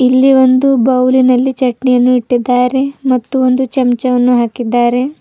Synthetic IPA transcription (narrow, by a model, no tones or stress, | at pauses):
ilːiʋo̞nd̪ubɐwlinɐlːit͡ʃɐʈnijɐnːuiʈːid̪ːaːɾe̞mɐt̪ːuond̪ut͡ʃɐmt͡ʃɐʋɐnːuɦaːkid̪ːaːɾe̞